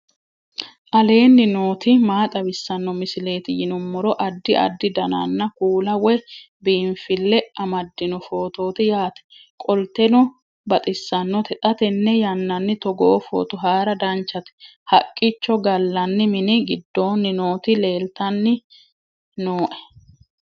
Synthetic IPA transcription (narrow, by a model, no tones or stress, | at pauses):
ʔɐle̞ːnːɪno̞ːt̪ɪmaːt̪ʼɐbɪsːɐnːɔmɪsɪle̞ːt̪ɪjɪnʊmːʊɾɔʔɐd̪ːɪʔɐ̰d̪ːɪd̪ɐna̰nːɐkuːlɐwɛ | biːɱfɪlːɛɐmɐd̪ːɪnʊfo̞ːt̪o̞ːt̪ɪjaːt̪ɛ̥kʼɔlt̪ɛnɔ | bɐt̪ʼɪsːɐnːɔt̪ɛt̪ʼɐt̪ɛnːɛjɐnːɐnːɪt̪ɔɡɔʔːfo̰ːt̪ʊɦaːɾɐd̪ɐnt͡ʃːɐt̪ɛ̥hɐkʼːɪt͡ʃːɔɡɐlːɐnːɪmɪnɪɡɪd̪ːo̞ːnːɪno̞ːt̪ɪle̞ːlt̪ɐnːɪ | noːʔɛ̥